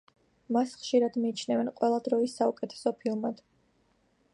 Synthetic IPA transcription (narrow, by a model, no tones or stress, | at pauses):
masχʃiɾad̪miːt͡ʃʰnɛvɛnqʼwɛlˠad̪ɾɔisːaukʼɛt̪ʰɛ̥sɔpʰiɔmad̪̥